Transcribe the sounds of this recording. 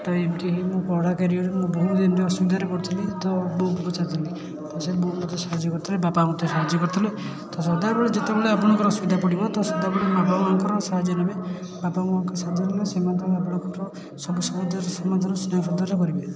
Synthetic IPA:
ʈɔemtiɦimũpɔɽakeɾiɔɾemũbɔɦud̪enɾeɔsubid̪ʱaɾepɔɽut̪ʰilit̪ɔbɔɦuʈukut͡ʃat̪ili | t̪ɔselbɔuʈmɔt̪ɔsaɦad͡ʒjɔkɔɾt̪ʰilebapamɔt̪jɔsaɦad͡ʒjɔkɔɾt̪ʰile | t̪ɔsɔd̪abeɭed͡ʒet̪ebeɭeɔbuɽ̃ɔŋkɔɾɔsubid̪ʱapɔɽibɔt̪ɔsɔd̪abeɽemabamuaŋkɔɾɔsaɦad͡ʒjɔnɔme | bapamuaŋkɔsad͡ʒ̪ɔnilesemant̪ɾabɔɽ̃ɔkɔtɔ | sɔbusɔɦɔd͡ʒ̪ʱɔɾɔsɔmad̪ʱaɾɔsnjpʰɔd̪ɔɾɔkɔɾibe

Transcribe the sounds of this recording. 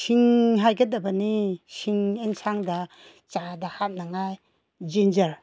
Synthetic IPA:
siŋɦajɡɐdɐbɐnisiŋeŋsaŋdɐ | t͡ʃadɐhat̚naŋaj | d͡ʒind͡ʒɐɾ

